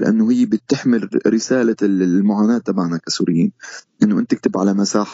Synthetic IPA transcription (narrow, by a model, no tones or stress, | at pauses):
lɪʔa̰nːʊhɪjːbɪt̪ːɪħmɪlɾɪsaːlamʊʕaːnaːt̪ːamaʕnakasṵːɾɪjːḭːnʔɪnːʊʔɪnt̪ɪk̚t̪ɪbʕalamasaːħ